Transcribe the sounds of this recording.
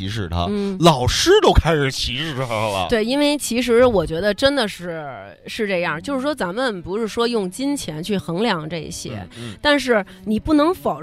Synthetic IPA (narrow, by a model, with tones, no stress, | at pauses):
i˧˥ʂɻ̩˨˩t̪ʰa̰˧˥n˥˩lɑ˨˩ʊʂɻ̩˥t̪o˥ʊkʰa˥ɪʂɻ̩˨˩t͡ɕʰi˧˥ʂɻ̩ʰ˥˩a˧˥˧lə̰˧t̪we˥˩ɪi˥nwe˥˩ɪt͡ɕʰi˧˥ʂ̬ɻ̩˧˥wɔ˨˩t͡ɕɥɛ˧˥d̪ə˧ʈ͡ʂə˥nd̪ə˨ʂɻ̩˥˩ | ʂɻ̩˥˧ʈ͡ʂɤ˥˧jɑ˥˩ŋt͡ɕjo˥˧ʊʂɻ̩˥˩ʂwɔ˥t͡sa˧˥nmə˨npu˧˥ʂɻ̩˥˩ʂwɔ˥jʊ˥˩ŋt͡ɕi˥nt͡ɕʰjɛ˧˥nt͡ɕʰy˥˩xɤ˧˥ŋljɑ˨˩ŋʈ͡ʂɤ˥˩ḭ˧˩ɕjɛ̰˥t̪a˥˧nʂ̬ɻ̩˥˩ | ni˨˩pu˥˩nɤ˧˥ŋfɑ˨˩ʊ